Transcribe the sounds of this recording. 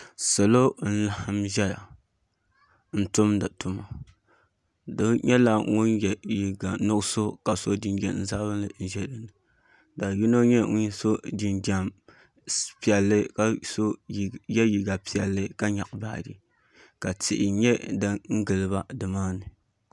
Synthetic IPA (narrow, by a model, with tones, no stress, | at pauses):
sa˨lo˦n̩˦la˨hɨ˦mʒɛ˦ja̰˨ | n̩˦tʊ˦mda˨tʊ˨ma˨ | dɨ˦ɲɛ˦la˦ŋu˦njɛ˨ji˨ɡa˨nʊ˦ʔso˦ka˨so˦di˦nd͡ʒa̰˨nn˨za˦βɨ˦nlɨ˨n̩˦ʒɛ˦dɨ˨nɨ˨ | da˨ji˦no˦ɲɛ˦ŋ˦ɲ˦so˦di˨nda˨m | pi˨ɛ˨lːɨ˦ka˨so˦˨jɛ˦ji˨ɡa˨pi˦˨ɛ˨lːɨ˦ka˦ɲa˨ʔba̰˨dɨ̰˨ | ka˨tɪ˨ʔɪ˨ɲɛ˦dɨ˦ŋ̩˦ɡɨ˨lɨ˨ba˦dɨ˨maː˦nɨ˨